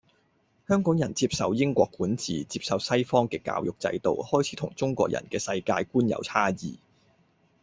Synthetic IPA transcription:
hœː˥ŋkɔː˨˥ŋjɐ˨˩nt͡siː˧p̚sɐ˨wjɪ˥ŋkʷɔː˧kːuː˨˥nt͡sʰiː˨˩t͡siː˧p̚sɐ˨˧wsɐ˥jfɔː˥ŋkɛː˧ka̰ː˧wjʊ˨k̚t͡sɐ̰˧jt̪o̰˨whɔː˥jt͡sʰiː˨˥t̪ʰʊ˨˩ŋt͡sʊ˥ŋkʷɔː˧k̚jɐ̰˨˩nkɛː˧sɐ˧jkaː˧jkuː˥njɐ̰˨˥wt͡sʰaː˥jiː˨˩

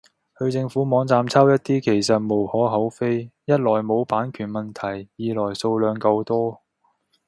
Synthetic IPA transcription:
hɵ˧ɥt͡sɪ˧ŋfuː˨˥mɔː˨˧˥ŋt͡saː˧mt͡sʰɐ˥wjɐ˥t̚t̪iː˥kʰe˨˩jsɐ˨t̚mo˨˩whɔː˨˥ɦɐ˨˥wfe˥jjɐ˥t̚lɔː˨˩jmo˨˧wpaː˨˥nkʰyː˨˩nmɐ˨nt̪ʰɐ˨˩jjiː˨˧lɔː˨˩jso˧wlœː˨˧ŋkɐ˧wt̪ɔː˥

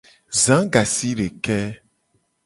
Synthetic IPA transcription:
zã˨˦ɡa˨si˦ɖe˨kɛ˦

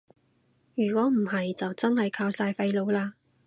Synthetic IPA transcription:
jyː˨˩kʷɔː˨˥m̩˨˩hɐ˨jt͡sɐ˨wt͡sɐ˥nhɐ˨jkʰaː˧wsaː˧jfɐ˧jlo˨˧wlaː˧

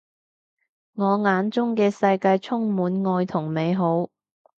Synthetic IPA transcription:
ŋɔː˨˧ŋaː˨˥nt͡sʊ˥ŋkɛː˧sɐ˧jkaː˧jt͡sʰʊ˥ŋmuː˨˥nŋɔː˧jt̪ʰʊ˨˩ŋme˨˧jɦo˨˥w

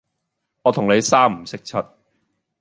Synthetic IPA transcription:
ŋɔː˨˧t̪ʰʊ˨˩ŋne˨˧jsaː˥m̩˨˩sɪ˥k̚t͡sʰɐ˦˥t̚

